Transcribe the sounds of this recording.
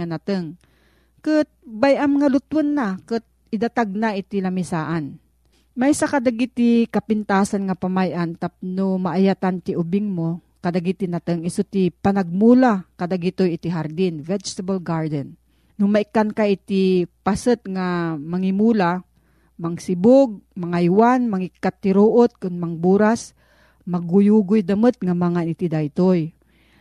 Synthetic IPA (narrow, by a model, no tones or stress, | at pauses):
anat̪ɨŋ | kɨt̪̚bajamŋalʊt̪wənːakɨt̪̚ | ɪd̪at̪aɡ̚naʔɪt̪ɪlamɪsaːʔan | majsakad̪aɡit̪ɪkapɪnt̪aːsanŋapamajʔant̪ap̚nomaʔajat̪ant̪ɪʔʊbɪŋmo | kɐd̪aɡit̪ɪnat̪ɨŋɪsot̪ɪpanaɡ̚mulakad̪aɡit̪ojɪt̪iɦaɾd̪ɪnvɛd͡ʒt̪abalɡaɹd̪ɛn | nʊmaɪkːankaʔit̪ipasət̪̚ŋamaŋimula | maŋsɪbʊɡ̚maŋajwanmaŋɪkːat̪ːɪɾoʔot̪̚kʊnmaŋbuɾas | maɡʊjuɡʊjd̪ɐmət̪̚ŋamaŋanit̪id̪ajt̪oj